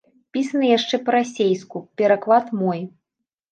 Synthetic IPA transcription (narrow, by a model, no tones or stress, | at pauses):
pʲisɐnɨjaʂt͡ʂɛpɐɾasʲejskupʲɛɾaklˠat̪mɔj